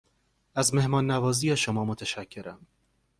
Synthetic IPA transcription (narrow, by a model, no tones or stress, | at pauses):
æzme̞hmɒːnːævɒːziːjeʃomɒːmot̪ʰæʃæcʰːe̞ɾæm